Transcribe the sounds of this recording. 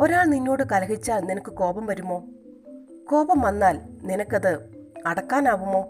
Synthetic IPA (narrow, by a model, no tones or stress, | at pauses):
o̞ɾaːɭninːo̞ːɽɨkɐlɐɦit͡ɕːaːɭninɐkːɨko̞ːbɐmʋɐɾumːo̞ː | ko̞ːbɐmʋɐnːaːlninɐkːɐðɨɐɽɐkːaːnaːʋumːo̞ː